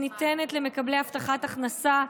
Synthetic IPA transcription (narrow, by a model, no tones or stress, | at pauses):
nit̪enet̪le̞me̞kablejaft̪aχat̪aχnasa